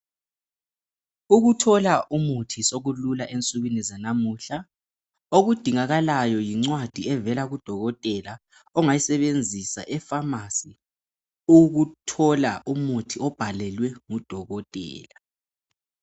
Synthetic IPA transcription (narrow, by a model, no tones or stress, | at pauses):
uɣutʰɔlaʔumutʰisoɣululaʔent͡sʼuɣinizanamuɬa | oɣud̥ʱiŋaɣalajɔjiŋ͡ǀwad̥ʱiɛvɛlaɣud̥ʱɔɣɔtʼɛla | ɔŋajisɛβend͡zʱisa̰ʔɛfamasi | uɣutʰɔla̰umutʰiɔb̥ʱalɛlwɛŋud̥ʱɔɣɔtʼɛ̰ːla